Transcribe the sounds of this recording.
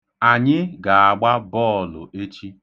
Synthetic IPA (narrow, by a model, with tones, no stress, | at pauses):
a˨ɲɪ˦ɡa˨a˨ɡ͡ba˦bɔː˦˨lʊ˨e˦t͡ʃi˦